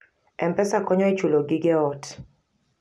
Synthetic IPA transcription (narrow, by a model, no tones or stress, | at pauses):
ɛmpɛsakɔɲɔet͡ʃuloɡɪɡɛɔt